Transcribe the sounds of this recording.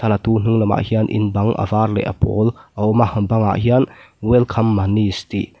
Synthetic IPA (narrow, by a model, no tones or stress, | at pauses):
t̪ʰɐlat̪un̥uŋlɐma̰ʔhianʔḭnbɐŋʔɐ̰vaːɾlɛ̰ʔɐ̰pɔ̰lʔɐɔmahɐbɐŋa̰ʔhian | wɛlkʰɐmːanist̪i